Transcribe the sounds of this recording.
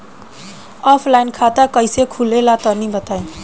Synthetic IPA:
ʌpʰlajnkʰat̪akʌjsekʰulelat̪ʌnibʌt̪aj

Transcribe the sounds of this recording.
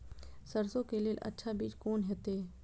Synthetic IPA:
səɾsõkeleːlʔɐ̰tːʃʰabiːt͡ʃkoːnɦɛːt̪eː

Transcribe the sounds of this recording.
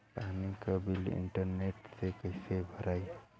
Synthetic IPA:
paɦnikəbilɪ̰ɳʈəɾneʈsekəɪsebʱəɾai

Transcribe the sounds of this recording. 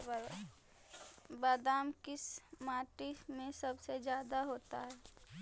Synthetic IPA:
baːd̪aːmkɪsmaːʈimẽsɐbsed͡ʒjaːd̪aɦoːt̪a̰ɦɛː

